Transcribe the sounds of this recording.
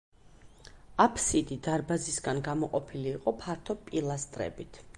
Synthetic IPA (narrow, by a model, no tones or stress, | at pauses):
apʰsid̪id̪aɾbazisɡanɡamɔqʼɔpʰiliːqʼɔpʰaɾt̪ʰɔpʼilˠast̪ʼɾɛ̰bit̪ʰ